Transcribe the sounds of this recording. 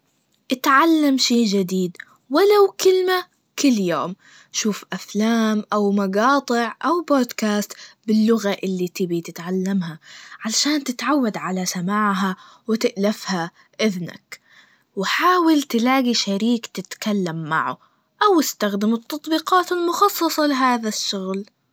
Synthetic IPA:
ʔɪt̪ʕalːamʃeːd͡ʒɪd̪iːd̪ | walawkɪlma | kɪlːjoːm | ʃuːfʔaflaːmʔawmaɡɑːt̪ˤɨʕʔawboːd̪kaːst̪bɪlːʊɣaʔɪlːit̪ɪbit̪ɪt̪ʕalːamhaʕalaʃaːnt̪ɪt̪ʕawːad̪ʕalasamaːʕɦa | wɪt̪ɪʔlafha | ʔɪðna̰k | wɪħaːwɪlt̪ɪlaːɡiʃaɾiːkt̪ɪt̪kalːamːa̰ʕṵ | ʔawɪst̪axd̪ɪmɨt̪ːɑt̪ˤbiːqɑːt̪almʊxɑsˤːɑsˤɑlɪɦaːðaʃːʊɣl

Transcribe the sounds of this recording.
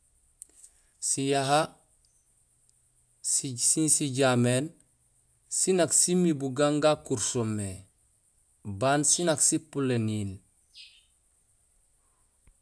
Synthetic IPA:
sijaɦa | sisinsiɟameːn | sinaksimibuɡaŋɡakuɾsomːe | bansinaksipulenil

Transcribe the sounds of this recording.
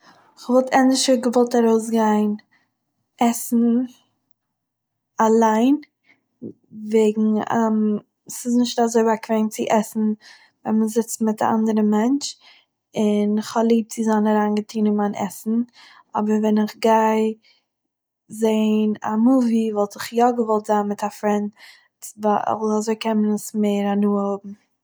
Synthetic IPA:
ɪχvɔlˠtʰɛndɪʃəɡəvɔlˠtaɾoʊs̬ɡaɪn | ʔɛsn̩ | alˠaɪn | veɪɡŋ̩a̰m | sɪsnɪʃtazoɪbakveɪnt͡sɪʔɛsn̩ | vɛnməzɪt͡stmɪta̰ʔa̰ndəɾəmɛnt͡ʃ | ɪnɪχhɔlˠiːb̚t͡sɪzaːnaɾaːnɡətʰiːnɪnmanʔɛ̰sn̩ | ɔ̰bəɾvɛnɪχɡaɪ | zeɪna̰muvivɔlˠtɪχjɔɡəvɔlˠtz̥aːnmɪtʰafɾɛnt | tva̰azoɪkʰɛmənəsmeɪɾanuːhobm̩

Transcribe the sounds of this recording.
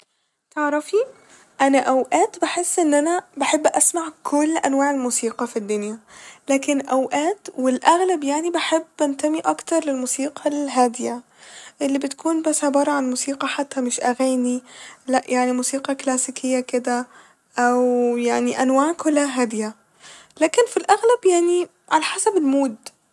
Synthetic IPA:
t̪eʕɾˤɑfi | ʔænæʔæwʔæːt̪baħesːʔɪnːʔænæbaħebːʔæsmaʕkʰʊlːʔænwaːʕelmuːsiːqɑfid̪ːʊnjælæːkenʔæwʔæːt̪wɪlʔæɣlabjaʕnibaħebːʔænt̪æmiʔɑkt̪ɑɾˤlɪlmuːsiːqʰɑlɦæːd̪ɪja | ʔɪlːibɪt̪kʰuːnbasʕebɑːɾˤɑʕanmuːsiːqɑħat̪ːæmɪʃʔaɣaːnilaʔjʔaʕnimuːsiːqɑklaːsikʰɪjːakɪd̪a | ʔawjaʕniʔanwaːʕkʊlaɦaːd̪ɪja | laːkɪnfilʔaɣlabjaʕni | ʕalaħasabɪlmuːd̪

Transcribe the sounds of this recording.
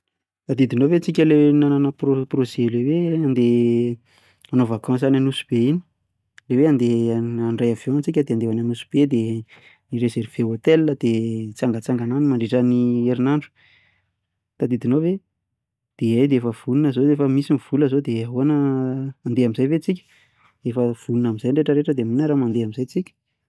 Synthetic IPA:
t̪ad̪id̪inovet͡sikʲəlenananəpoprozeleweand̪e | anovakɑ̃s̬ananusub̥eini̥ | leweãnd̪eaɳɖ͡ʐajavont͡sik̬ʲəd̪eand̪eananusu̥b̥ed̪e | niɾezerv̥eot̪elːəd̪̥et͡saŋɡət͡saŋɡananimaɳɖ͡ʐeʈ͡ʂənieɾinaɳɖ͡ʐu̥ | t̪ad̪id̪inove | d̪̥eajd̪eefəv̥uninəzoefəmisiniv̥uləzod̪eaɦuanəand̪eamizajvet͡sikʲə̥ | efəv̥ununamizajɳɖ͡ʐeʈ͡ʂəɾeʈ͡ʂəd̪eminaɾamand̪eamizajt͡sikʲə̥

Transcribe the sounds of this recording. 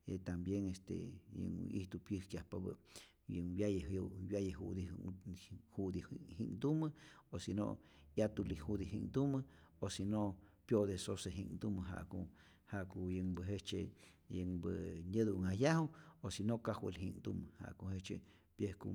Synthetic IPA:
et̪ambjeŋest̪ḛjə̰ŋḭht̪upjəhkjahpaβə̰ | jəŋbjajebjajehud̪i | hud̪ihiŋd̪uməosino̰jat̪ulihud̪iɦiŋd̪uməosinopjod̪esoseɦḭŋd̪uməɦa̰ʔku | haʔkujəŋbəɦet͡ʃe | jəŋbəɲəd̪uŋajahuosinokahwə̰lhḭŋd̪uməha̰ʔkohet͡ʃḛ | pjehkṵ

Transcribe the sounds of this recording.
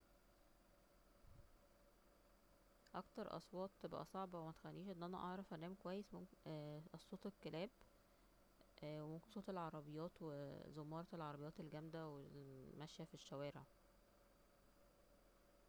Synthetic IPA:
ʔɑkt̪ɑɾˤʔɑ̰sˤwɑːt̪ˤbæ̰ʔæ̰sˤɑʕbɑwemæt̪e̥xælːiːʃʔenːʔænæʔɑʕɾˤɑfʔænːæːmkowæjːesmomʔsˤːoːt̪ekːelæːb | wemomkensoːt̪elʕɑɾˤɑbejːɑːt̪wezomːɑːɾˤɑelʕɑɾˤɑbejːɑːt̪elɡæmd̪æwelmæʃjæfiʃːæwæːɾeʕ

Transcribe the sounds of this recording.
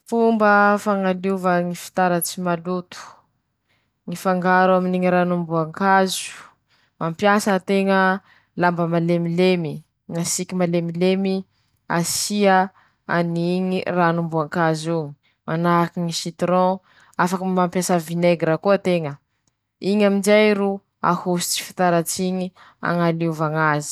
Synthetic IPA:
fumbəfaŋaluvəŋifi̥t̪aɾət͡simalut̪u̥ | ŋifaŋɡaɾuaminiŋiɾanumbuaŋkazu̥ | mampjasət̪eŋə | lambəmalemilemi | ŋasikimalemilemi | a̰siə | aniɲiranumbuaŋkazuɲi | manakiŋiʃit̪ɾɔ̃ | afakəmampjasəvineɡɾakuət̪eŋə | iɲamind͡ʒajɾu | a̰husu̥t͡si̥fi̥t̪aɾat͡siɲi | a̰ŋaluvaŋazi̥

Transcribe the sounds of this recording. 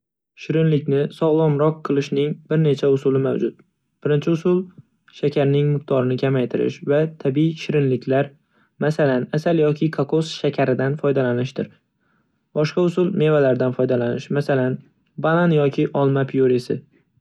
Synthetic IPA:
ʃɪɾɪnlɪkʲnɪsɒʁlˠɒmɾɒqʰːɨlˠɪʃnɪŋbɪɾne̞t͡ʃʰaʊsʊlɪmawd͡ʒʊt̪̚ | b̥ɪɾɪnt͡ʃʰɪʊsʊlˠ | ʃakʲʰaɾnɪŋmʊq̚t̪ɒɾɪnɪkʲʰamajt̪ʰɪɾɪ̰ʃvat̪ʰabiʃɪɾɪnlɪkʲlaɾ | masalanasaljɒkʲʰɪkʰakʰosʃakʲʰaɾɪd̪anfɒjd̪alanɪʃd̪ɪɾ | bɒʃqɑʊsʊlˠme̞valaɾd̪anfɒjd̪alanɪʃmasalan | bananjɒkʲʰɪʔɒlˠmapʰijoɾesɪ̰

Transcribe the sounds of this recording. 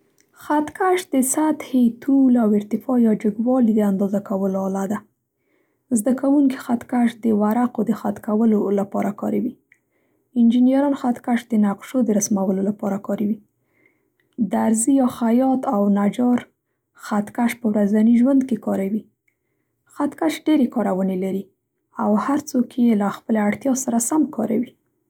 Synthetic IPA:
xat̪kaʃd̪əsat̪het̪ʰulawɪɾt̪ɪfɑjɑd͡ʒəɡwɑlid̪əand̪ɑzakawəloɑlad̪a | zd̪akawuŋki̥xat̪kaʃd̪əwaɾaqod̪əxat̪kawəlolapɑɾʔakɑ̰ɾawi | ɪnd͡ʒinjaɾɑnxat̪kaʃd̪ənaqʃod̪əɾasmawəlolapɑɾakɑɾawi | d̪aɾzijɑxajɑt̪awnad͡ʒɑɾ | xat̪kaʃpəwɾazaniʒwand̪kekɑɾawi | xat̪kaʃɖeɾekɑɾawənelaɾi | awhaɾt͡sokʰjelaxpəlaaɽt̪jɑsaɾasamkʰɑ̰ɾawi

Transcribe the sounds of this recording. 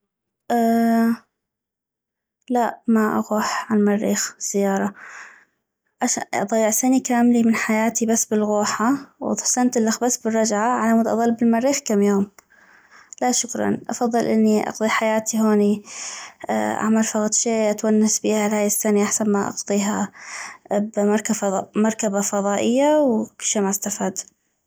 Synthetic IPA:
ʔa | laʔmaʔa̰ɣuːħʕanmɑrːiːxz̥ːɪjːɑːɾˤɑ | ʕaʃaʔɑ̰d̪ˤɑjɪʕsanikaːmlimɪnħajaːt̪ibasːbɪlɣuːħaw̰ðˤħsant̪ɪlːaxbasbɪrˤːɑd͡ʒʕaʕalamʊd̪ʔɑ̰ðˤɑlːbɪlmɑrːiːxkamːjoːm | laʃʊkɾˤɑ̰nʔɑ̰fɑðˤːɨlʔɪnːiʔɑ̰qt̪ˤiħajaːt̪iɦoːni | ʔa̰ʕmɑɾˤfɑɣt̪ˤʃeːʔat̪wanːasbiːhalhaːjɪsːaniʔaħsanmaʔɑ̰ɡt̪ˤiːɦa | bmɑɾˤkamɑɾˤkabafɑðˤɑːʔɪjːawkʊlʃamaʔst̪afaːd̪

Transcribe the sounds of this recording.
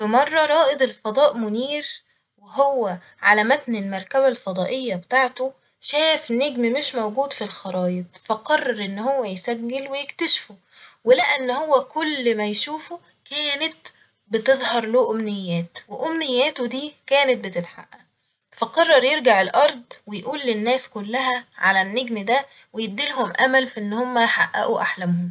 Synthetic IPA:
fæmɑrˤːɑɾˤɑːʔed̪ˤelfɑd̪ˤɑːʔmʊniːɾ | weɦowːæ | ʕalæmæt̪nelmɑɾˤkæβælfɑd̪ˤɑːʔejːæbet̪aːʕt̪o | ʃæːjefnːeɡmimeʃmæwɡuːd̪filxɑɾˤɑːjeb̚fæqɑrˤːɑɾʔenːhowːæjsæɡːelwejekt̪æʃfo | welæʔænːhowːækolːmæjʃuːfo | kæːnæt̪̚ | bɪt̪ezˤhɑɾˤluːʔomnejːæːt̪weʔomnejːæːt̪od̪iːkæːnæt̪̚bet̪ɪt̪ħa̰ʔːæʔ | fæqɑrˤːɑɾˤjeɾɡaʕelʔɑɾˤd̪ˤwejʔuːlːenːæːskolːæɦæʕalænːeɡmd̪æ | wejed̪ːilɦomʔæmælfiʔenːhomːæħa̰ʔːæ̰ʔuʔaħlæmhom

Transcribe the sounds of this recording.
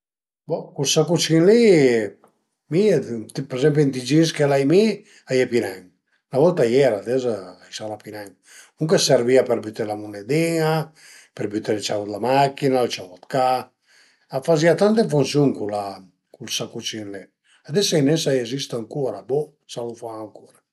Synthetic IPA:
bɔkulsakut͡ʃinli | mit̪peɾezɛmpint̪id͡ʒiskelajmi | ajepinɛŋ | navɔlt̪ajɛɾad̪ezaajsalapinɛŋ | uŋkeseɾviapeɾbyt̪elamuned̪ia | peɾbyt̪elt͡ʃaut̪lamakinalt͡ʃavɔt̪kaː | faziat̪ant̪̬efunsjuŋkula | kulsakut͡ʃinli | ad̪esainɛsajezist̪aŋkuɾabɔ | salufaːŋkuɾa

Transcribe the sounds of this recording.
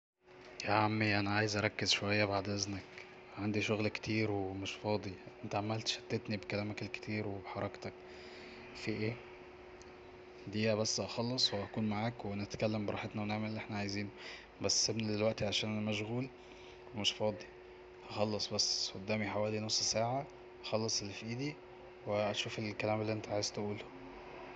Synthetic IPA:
jæʕamːiʔænæʕaːjezʔæɾˤɑkːezʃowæjːæbaʕd̪ʔæznæk | ʕand̪iʃoɣlkt̪iːɾwemeʃfɑːd̪ˤiʔent̪æʕamælt̪ʃæ̥t̪ːet̪nibekælæːmækelke̥t̪ʰiːɾwebħɑɾˤɑkt̪ɑk̚ | fiʔeː | d̪iːhæbæsːʔɑxɑlːesˤweʔækuːnmaʕaːkwʔænææt̪kælːæmbeɾˤɑ̰ːħet̪næweneʕmællːʔeħnæʕajziːno | bæsːebnid̪elwæʔt̪iʕaʃæːnʔænæmæʃ̬ɣuːl | wemeʃfɑːd̪ˤi | hɑxɑlːesˤbæsːxod̪ːæːmiħawæːlinosˤːsaːʕa | ʔɑxɑlːɑsˤelːifʔiːd̪i | weʔæʃuːfelkælæːmelːiʔent̪æʕaːjezt̪eʔuːl

